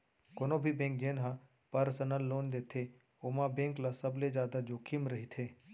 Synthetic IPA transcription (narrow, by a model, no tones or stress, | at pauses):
koːnõbʱibẽːŋk̚d͡ʒeːnɦã | pɐɾsənəlːoːnd̪eːt̪ʰːe | oːmãbẽːŋklasɐbled͡ʒjaːd̪ad͡ʒoːkʰimɾɐɦit̪ʰeː